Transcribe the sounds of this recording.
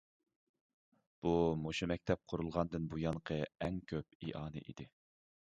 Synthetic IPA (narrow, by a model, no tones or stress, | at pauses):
b̥umoʃimɛk̚ʲt̪ʰɛp̚qʰʊɾulˠʁɑnd̪ɨnbujɑnqʰəɛŋkʲʰøp̚ḭʔɑːnɨ̰ʔḭd̪ɪ